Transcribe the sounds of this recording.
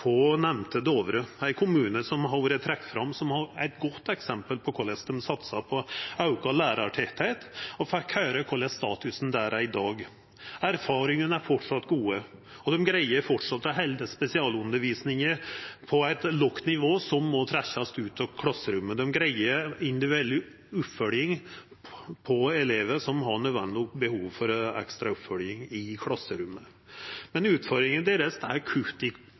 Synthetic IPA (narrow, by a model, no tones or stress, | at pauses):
fɔnɛmnt̪əd̪oːʋɾəæɪkʰʊmʉːnəsɔmɦɑɾʋuːɾət̪ʰɾɛk̚t̪fɾɑmːsɔmhɑɾæɪt̪ɡɔt̪ːɛksɛmpəlpʰɔkʰɔlɛsd̪ɛmsɑt̪sɑpʰɔɑʉkɑlæːɾɑʈʰɛt̪ʰæɪt̪ɔfɛkʰhæːɾəkʰɔlɛst̪ɑ̰ːt̪ʉsn̩d̪æːɾæɪd̪ɑːɡ | æɾfɑːɾɪŋənæɾfɔʈʂɑt̪ːɡuːəɔd̪ɛmɡɾæɪəɾfɔʈʂɑt̪ːɑɦɛɪld̪əspɛsɪɑːlʉnd̪əɾʋiːsnɪŋəɾpʰɔæɪt̪lɔkt̪nɪʋoːsɔmːɔt̪ʰɾæçːɑst̪ʉːt̪ʰɑkʰlɑsːəɾʉmːəd̪ɛmɡɾæɪəɾɪnd̪ɪd̪ɛlːɪ | ʉpfœljɪŋ | pʰɔɛleːʋəʂɔmɦɑɳœd̪ʋɛ̰nbəhuːʋfɔɾɛ̰kst̪ɾɑʉpfœljɪŋɪkʰlɑsːəɾʉmːə | mɛnʉːt̪fɔɾɪŋənd̪eːɾəsæɾkʰʉlt̪ɪ